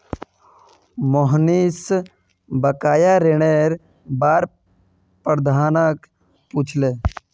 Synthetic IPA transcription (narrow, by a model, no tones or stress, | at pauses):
moɦnis | bəkaːjaɾeɽeɾ | baːɾ | pɾəd̪ʱaːnək | puːt͡ʃʰleː